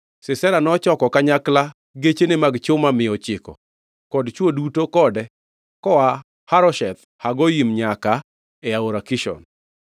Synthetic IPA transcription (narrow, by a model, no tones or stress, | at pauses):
sɪsɛɾanɔt͡ʃɔkɔkaɲakla | ɡet͡ʃenemaɡt͡ʃʊmamɪɔt͡ʃɪkɔ̰ | kɔdt͡ʃwodutokɔdɛ | kɔwa | haɾɔʃɛt̪ | haɡɔjimɲaka | ɛaoɾakɪʃɔ̰n